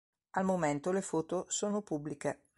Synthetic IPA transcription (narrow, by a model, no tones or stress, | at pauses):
almoment̪olefoːt̪osoːnopubːlike